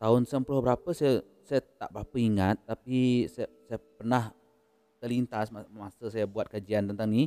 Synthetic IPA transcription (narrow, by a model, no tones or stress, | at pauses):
t̪aʊnsəmplʊhbəɾapəsaja | sajat̪a̰ʔbɾapəiŋat̪ːapissajapərnah | t̪əlint̪asamasəsajabuat̪̚kad͡ʒiant̪ənt̪aŋni